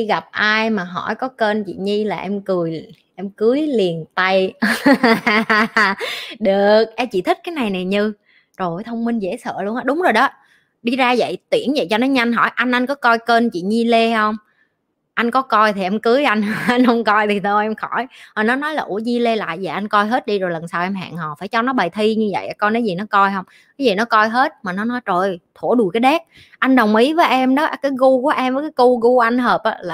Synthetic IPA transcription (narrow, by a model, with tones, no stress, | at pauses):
i˧ɣa˨˩p̚ʔaː˧jmaː˨˩ɦɔ̰˧˩jkɔ˨˦kə˧nt͡ɕḭ˧˨ɲi˧laː˨˩ʔɛ˧mkɨ˨˩əj | ʔɛ˧mkɨ˨˦jli˨˩ənt̪a˧j | ɗɨ˨˩ək̚ʔɛ˧mt͡ɕḭ˧˨t̪ʰi˦˥k̟̚kaː˨˦jna˨˩jna˨˩jɲɨ˧ | zo˨˩jt̪ʰə˧wŋ͡mmï˧ŋ̟zḛ˧˥sə̰ː˧˨lu˧ənʔaː˧˥ɗʊ˨˦ŋ͡mzo˨˩jɗɔ˨˦ | ɗi˧zaː˧və̰˧˨jt̪wi˧˩ənvə̰˧˨jt͡ɕɔ˧nɔ˨˦jɲa˧jŋ̟ɦɔ̰˧˩jʔa˧jŋ̟ʔa˧ŋ̟kɔ˨˦kɔ˧jkə˧nt͡ɕḭ˧˨ɲi˧le˧hə˧wŋ͡m | ʔa˧jŋ̟kɔ˨˦kɔ˧jt̪ʰi˨˩ʔɛ˧mkɨ˨˦jʔa˧jŋ̟˨ʔa˧ŋ̟hə˧˦wŋ͡mkɔ˧jt̪ʰi˨˩t̪ʰo˧jʔɛ˧mxɔ˧˩jhɔ˨˩nɔ˨˦nɔ˨˦jlaː˨˩ʔu˧˩əɲi˧le˧la̰ː˧˨jzə̰˨˩ʔa˧jŋ̟kɔ˧jɦe˦˥t̚ɗi˧zo˨˩jlə˨˩nsaː˧wʔɛ˧mɦa̰ː˧˨ŋhɔ˨˩faː˧˩jt͡ɕɔ˧nɔ˨˦ɓaː˨˩jt̪ʰi˧ɲɨ˧və̰˧˨jʔa˨˩kɔ˧jnɔ˨˦zi˨˩nɔ˨˦kɔ˧jhə˧wŋ͡m | kaː˨˦zi˨˩nɔ˨˦kɔ˧jɦe˦˥t̚maː˨˩nɔ˨˦nɔ˨˦jzo˨˩jt̪ʰo˧˩əɗu˨˩kaː˨˦jɗɛ˦˥k̚ | ʔa˧jŋ̟ɗə˨˩wŋ͡mʔi˨˦vəː˨˦jʔɛ˧mɗɔ˨˦kaː˨˦jɣu˧ku˧˩əʔɛ˧mvəː˨˦jkaː˨˦ku˧ɣu˧˩ʔa˧jŋ̟ɦəː˨˩p̚ʔaː˨˧˦laː˨